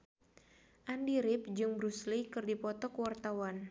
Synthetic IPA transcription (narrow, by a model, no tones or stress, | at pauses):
ʔandiɾɪp̚d͡ʒɨŋbɾuslikɨrdipɔt̪ɔkəwart̪awan